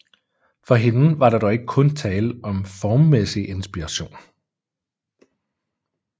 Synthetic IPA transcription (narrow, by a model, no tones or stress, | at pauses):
fɒ̽ɦe̝nʋɑ̈ɾ̥ɑ̈d̥ɾɒe̝ɡ̥əkʰɔ̽nt͡sʰɛːləʔɒ̽mfɒːmːesiʔe̝nsb̥iʁɑ̈ɕo̝̰ːn